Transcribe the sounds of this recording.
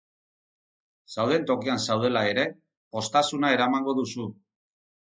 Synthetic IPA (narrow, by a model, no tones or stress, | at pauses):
sawð̞e̞nt̪o̞kiansawð̞e̞lae̞ɾe̞ | po̞st̪asunae̞ɾamaŋɡo̞ðusu